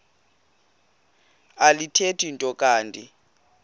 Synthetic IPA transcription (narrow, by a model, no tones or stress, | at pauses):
alitʰetʰʼintʼɔkʼaːndʼi